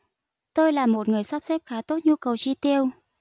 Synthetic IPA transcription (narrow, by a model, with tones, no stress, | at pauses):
t̪o˧jlaː˨˩mo˨˩t̚ŋɨ˨˩əjsa˦˥p̚sɛ˦˥p̚xaː˨˦t̪o˦˥t̚ɲu˧kə˨˩wt͡ɕi˧t̪i˧əw